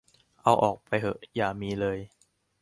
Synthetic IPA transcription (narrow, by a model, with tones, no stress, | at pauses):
ʔa˧wʔɔː˨˩k̚pa˧jɦɤ˧˩ʔjaː˨˩miː˧lɤː˧j